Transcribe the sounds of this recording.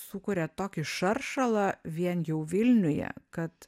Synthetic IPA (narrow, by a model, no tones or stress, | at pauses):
sʊkʊːɾʲɛt̪oːkʲɪʃɐrʃɐlˠɐʋʲiɛnjɛʊʋʲɪlʲnʲʊjɛ̰kɐt̪